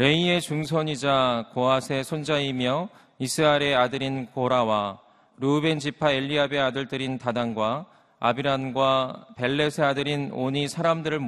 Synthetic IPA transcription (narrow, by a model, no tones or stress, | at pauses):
ɾe̞ie̞t͡ɕuŋsʰʌɲid͡ʑakoasʰe̞sʰond͡ʑaimjʌ | isʰɯɾaɾe̞adɯɾinkoɾawa | ɾube̞nd͡ʑipʰaeʎːiabe̞adɯɭtɯɾintadaŋɡwa | a̰biɾanɡwape̞ɭːe̞sʰe̞adɯɾinoɲisʰaɾamdɯɾɯɭm